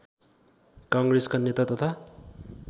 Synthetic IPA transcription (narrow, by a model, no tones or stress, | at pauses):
kʌŋɡreskonet̪at̪ʌt̪ʰa